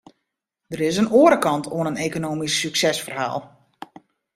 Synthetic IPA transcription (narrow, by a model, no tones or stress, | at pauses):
d̥əɾɪs̬ənoəɾəkɑntʰoənəneːkonoːmisːyksɛsfərha̰ːlˠ